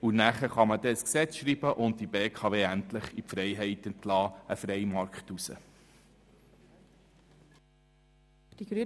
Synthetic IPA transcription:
unæχəχɑmədɛəsksɛt͡sʃɾiːb̥əʔʊnd̚ibeːkʰɑʋeːæntləχipfɾɛjɦɛɪtəntlɑːəfɾɛjmɑɾkχtusə̰ | d̥iɡ̥ɾy

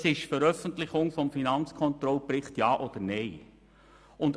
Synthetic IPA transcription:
sɪʃfɛɾœfəntlɪχʊŋfɔmfinɑnt͡skʰɔnt̪ɾɔlpɾɪχtjɑːʔɔd̥̪əɾneɪ | ʊnd

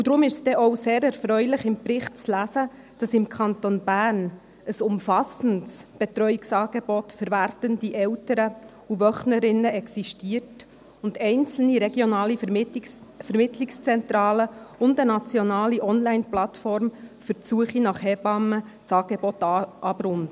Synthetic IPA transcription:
udɾʊmɪʃsd̥ɛʔɔwseːɾɛɾfɾœʏlɪχɪmprɪχtt͡slæsə | d̥ɑsɪmkʰɑntonbæːɾn | əsʊmfɑsəntsb̥ɛtɾœʏɪksɑːɡ̥ebɔtfəɾvæɾtəndiʔɛwtəɾə | uvœχnəɾɪnːəɛksiʃtiːərt | ʊndɛɪnt͡sl̩niɾeɡjonɑːli | fəɾmɪtlɪkst͡sɛntɾɑːləʊndənɑt͡sjɔnɑːliʔɔnlæɪnplɑt̪fɔɾmfəɾt͡suəχinɑχhɛb̥ɑmə | t͡sɑːɡ̥ebɔtʔɑbɾʊn

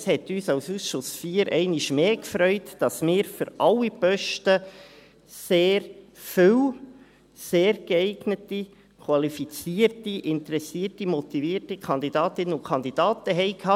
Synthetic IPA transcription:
shɛtyːsɑwsusʃʊsfiːəɾʔɛ̰ɪniʃmeːkfɾœʏtd̥ɑsmɪːɾfyɾɑlːipœʃtə | seːɾfʏw | seːɾɡ̥əɛɪɡnəti | kʰwɑlifit͡siərtiʔɪntɾɛsiːrtimɔtiviːərtikʰχɑnd̪idɑːtɪnːəʊkχɑnd̪id̥ɑːtəɦɛɪkʰhɑ

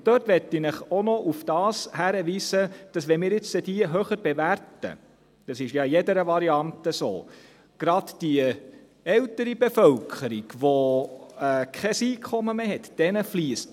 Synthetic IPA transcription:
tøɾtʋɛt̪ːɪnɪχonɔʔufd̥ɑːshæɾəʋiːsəd̥ɑsʋɛnmɪːɾɪt͡sədiəɦøχəɾbeværtə̰ | d̥ɑsɪʃjɑjɛdəɾəʋɑɾiɑntəso̰ː | ɡ̥ɾɑdd̥iə | ɛltəɾibefœlkʰχəɾiɡ̥ʋo | ɛːkʰɛsiːkʰχɔməmeːɦɛt̪d̥ɛnəfliːəst

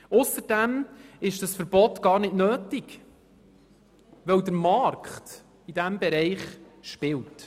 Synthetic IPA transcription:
ʊsəd̥æmɪʃd̥əsfəɾbɔtɡ̥ɑːɾnɪdnøːtɪɡ | ʋɛwd̪əɾmɑrkχt | id̥æmbɛɾɛɪχ | ʃpɪlt

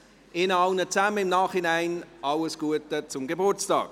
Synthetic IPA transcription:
ɪnɑlnət͡saməɪmnaːχhɪnaɪnʔɑləsɡ̥uətət͡sʊmɡebʊrt͡stɑ̰ːk̚

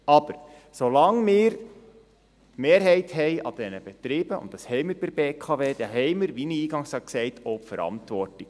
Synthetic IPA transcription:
ɑb̥əɾ | solɑŋmɪːɾ | tmeːɾɦɛɪthɛɪʔɑ̰d̥ɛnəb̥ɛtɾiːb̥əʊ̰ntd̥ɑshɛɪmɪɾb̥ɪɾbeːkʰɑveːd̥̪ɛɦɛɪmɪɾʋiniiːɡɑŋsɑksɛɪtoːfəɾɑ̰ntʋɔrtɪk

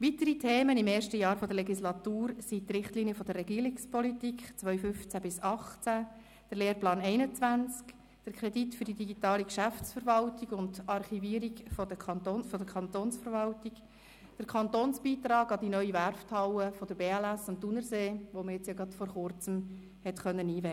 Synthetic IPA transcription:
ʋitəɾitʰeːmənɪmeːɾʃtəjɑːɾfɔd̥əɾlɛɡislɑt̪uːɾsit̪ɾɪχtliniəfɔd̥̪ərːɛɡiːəɾɪkspʰɔlitikχt͡sʋœʏfʏft͡sæbɪsɑχt͡sæ | d̥əɾleːɾplɑːnɛɪnət͡sʋænt͡sk | d̥əɾkʰɾɛditfʏɾdidiɡitɑːlikʃæft͡sfəɾʋɑltiɡʊndɑrχiviːəɾiɡfodəɑntonfɔdəkʰχɑnt̪oːnsfəɾvɑltik | d̥əɾkʰɑnt̪oːnsb̥iːt̪ɾɑːɡɑd̥inœʏiværftʰɑwəfɔd̥əɾb̥eːælæsʊntːunəɾseːʋoməjɛt͡sjɑɡɾɑtfɔɾχʊrt͡səm | hɛtχœnːəniːvɛ

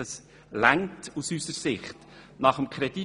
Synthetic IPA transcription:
əs | læŋtusysəɾsɪχt | nɑχəmkʰχɾɛd̥i

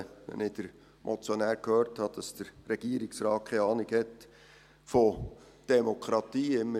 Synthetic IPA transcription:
ʋɛ̰nɪd̥əɾ | mʔot͡sjonæːɾkhøːɾthɑd̥ɑsd̥əɾrɛɡ̥iːəɾɪksɾɑːtkʰχeɑːnɪkɛt̪ | fo | d̥ɛmokʰɾɑt̪iːɪmːə

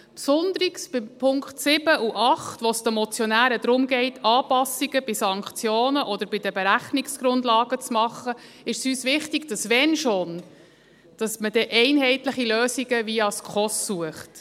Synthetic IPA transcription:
psʊnd̪əɾiksb̥ɪmpʰʊŋkχtsɪb̥əʔuʔɑχtʋɔsd̥̪əmɔt͡sjɔnæːɾəd̥̪ɾʊmɡɛɪtʰɑːpɑsiɡəb̥isɑŋkχt͡sjoːnəʔɔd̪əɾbɪd̥əbeɾæχnɪksɡ̥ɾʊndlɑːɡ̥ət͡smɑχːə | ɪʃsyːsʋɪχtiɡ̥d̥ɑsʋɛnʃon | d̥ɑsməd̥ɛʔɛɪnɦɛɪtləχiløːsiɡəviɑskχɔsːuəχt

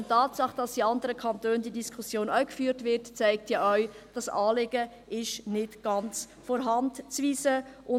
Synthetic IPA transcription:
ntːɑːtsɑχd̥ɑsd̥iɑndəɾəkʰɑntøːndiədiskʰʊsjoːnœkfyːtʋɪɾtt͡sɛɪk̚tʰjɑœɥ | d̥ɑsɑːlɪɡə | ɪʃnɪtɡ̥ɑnt͡s | fɔɾɦɑntt͡sʋiːsəʔʊ

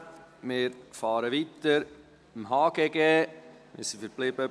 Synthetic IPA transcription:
mɪːɾfɑːɾəʋit̪əɾ | mɦɑːɡ̥ɛɡɛː | mɪ̰ɾsifəɾblɪbə

